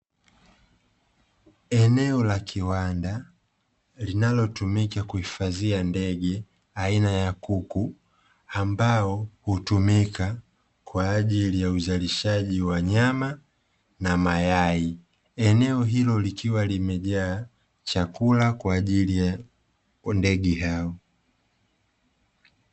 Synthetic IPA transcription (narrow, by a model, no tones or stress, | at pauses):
ɛnɛɔlakʰiwanda | linalɔtumikakuhifaziandɛɠɛ | ainajakuku | ambaɔhutumika | kwaːʄilijauzaliʃaʄiwaɲama | namajai | ɛnɛɔɦilɔlikʰiwalimɛʄaː | t͡ʃakulakwaːʄilija | ndɛɡɛɦaɔ